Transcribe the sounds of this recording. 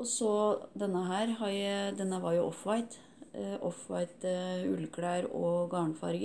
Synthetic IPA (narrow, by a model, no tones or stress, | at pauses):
ɔsɔd̪ɛnːəɦæːɾhɑɾd̪ɛnːəʋɑɾjʊʔɔfʋɑɪt̪ | ʔɔfʋɑɪt̪ʉ̰lːkʰɽæːɾɔ̰ɡɑːɳəfɑ̰ɾɡ